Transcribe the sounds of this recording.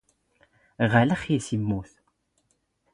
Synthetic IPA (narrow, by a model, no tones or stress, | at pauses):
ʁaləχisimːuθ